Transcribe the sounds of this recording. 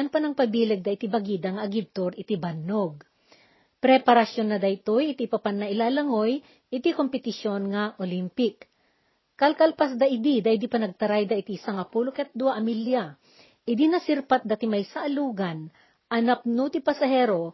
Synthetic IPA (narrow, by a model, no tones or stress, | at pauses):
ɐnpɐnɐŋpɐbiːlɛɡ̚d̪ɐʔɪt̪ibɐɡiːd̪ɐŋɐʔɐɡɪb̚t̪oɾɪt̪ibɐnːoɡ̚ | pɾɛpɐɾɐsjo̞nːɐd̪ɐjt̪ojɪt̪ipɐpanːɐʔɪlalɐŋo̞j | ʔɪt̪ikompɛt̪ɪʃjo̞nŋɐʔolimpɪkː | ɐlkɐlpɐsd̪ɐʔɪd̪id̪ɐɪd̪ipɐnɐɡ̚t̪ɐɾajd̪ɐʔɪt̪isɐŋɐpuːlokɛt̪̚d̪ʊwaʔɐmilja | ʔɪd̪inɐsɪɾpat̪̚d̪ɐt̪ɪmɐjsɐʔɐluːɡɐn | ʔɐnap̚nʊt̪ɪpɐsɐhɛːɾo̞